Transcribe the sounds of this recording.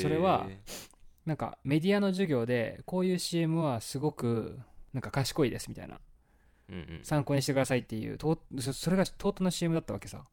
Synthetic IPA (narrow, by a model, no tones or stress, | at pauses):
so̞ɾe̞βa̰ | nãŋka̰me̞d̪ʲiano̞ʑɨɡʲo̞ːd̪e̞ko̞ːjɯ̟ːɕiːmɯ̟βasɨɡo̞kɯ̟nãŋkakaɕi̥ko̞id̪e̞sɨmʲit̪a̰ḭna̰ | sãŋkoːɲ̟iɕit̪ekd̪asait̪ːe̞jɯ̰ːt̪oːsso̞ɾe̞ɡat̪o̞ːt̪onoɕiːmɯ̟d̪at̪ːaβakesa̰